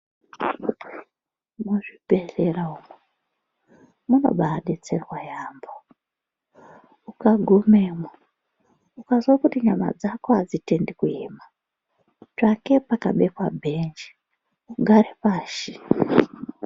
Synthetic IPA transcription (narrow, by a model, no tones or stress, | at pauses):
muʐib̥ʱeɬeraume | muno̞̰ɓaɗet͡se̞rwajaːmbo | ukaɡʱumeːma | ukazwakutiɲama̰d͡zakoad͡zitendikuema | t͡ʃake̞pakaɓekwabʱend͡ʒi | uɡʱaɾepaːʃi